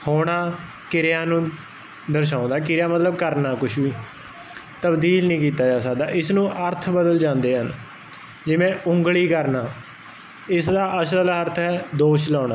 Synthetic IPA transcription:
hoːɽ̃aː | kɪɾɪjaːnũː | d̪əɾʃ̬ãːʊ̃nd̪aːkɪɾjaːmət̪ləb̚kəɾnaːkʊʃbiː | t̪əbd̪iːlnĩːkiːt̪aːd͡ʒaːsaːd̪aːʔɪsnũːʔəɾt̪ʰbəd̪əld͡ʒãːnd̪eːɦən | d͡ʒɪʋẽːʔʊŋɡɭiːkəɾnaː | ɪsd̪aːʔəsləlːəɾt̪ʰɦɛːd̪oːʃlaːnaː

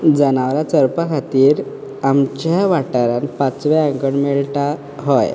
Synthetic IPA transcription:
d͡zənaʋɾat͡səɾpakʰat̪iːɾ | amt͡ɕjaʋaʈaɾanpat͡sʋɛaŋɡəɳmeɭʈa | ɦɔj

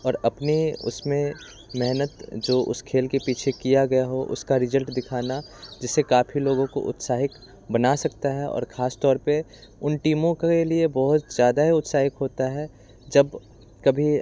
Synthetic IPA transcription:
ɔːɾɐpniʊ̰smẽ | mɛɦnət̪d͡ʒoːʔʊ̰skʰeːlkepiːt͡ʃʰekijaɡɐjaɦoʔʊ̰skaɾɪzəlʈd̪ɪkʰaːnad͡ʒɪsːekaːfʰiloːɡõko̰ʔʊ̰t̪saːɦɪk | bɐnasɐkt̪aɦɛɔ̰ːɾxʰaːst̪ɔːɾpeʊnʈiːmõkeliebɔɦʊt̪zjaːd̪aɦiʊt̪saːɦɪkɦoːt̪aɦɛː | d͡ʒɐb | kɐbʱi

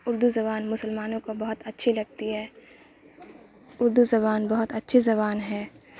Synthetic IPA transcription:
ʊɾd̪uzɐβaːnmʊsəlmaːnõkobɐɦʊt̪ɐtːʃʰilɐɡ̚t̪iɦɛː | ʊɾd̪uzɐβaːnbɐɦʊt̪ɐtːʃʰizɐβaːnɦɛː

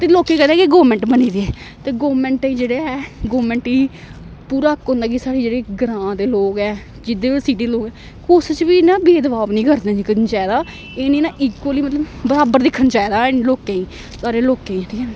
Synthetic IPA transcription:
t̪eːloːkeːkɛnd̪ẽɛːkiɡoːmɛ̃ɳʈbəniːd̪iɛː | t̪eːɡoːmɛ̃ːɳʈːĩːd͡ʒeːɽeːɛːɡoːmɛ̃ːɳʈiː | puːɾaːkːɦõːnd̪aːk̬isaːɽeːd͡ʒeːɽeːɡəɾãːd̪eːloːɡɛː | d͡ʒɪd̪eːsiːʈ̬iːd̪eloːɡɛː | kʊst͡ʃʋiːnãːbeːd̪əʋaːʋnĩːkəɾd̪ẽːd͡ʒint͡ʃaːeːd̪aː | eːniːnãːʔiːkəliːmət̪ləbbəɾaːbəɾd̪ɪkʰːənt͡ʃaːed̪aːnloːkẽːĩː | saːɽeːloːkːẽĩɛ̃ʈʰiːkɛː

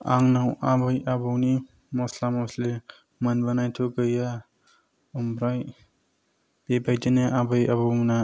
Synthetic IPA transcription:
a̰ŋnawabɯjabɯwni | mɔslamɔsle | manbanajtʰoɡɯja | umɾaj | b̥ebajdenaʔabajabɯwna

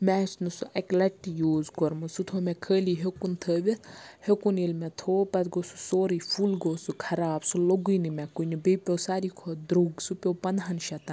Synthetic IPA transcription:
mɛsnɨsuʔɐklɐʈːijuːzkɔɾmɨsut̪ʰomɛkʰəːliɦekunt̪ʰəːbet̪hekunilmɛt̪ʰoːpɐt̪ɡosu̥soːɾifʰulɡoːsukʰɐɾaːbsuloɡujnimɛkunibepʲoːsaːɾikʰod̪ɾuɡsupʲowpɐnd̪ɦɐnʃɐt̪ɐn

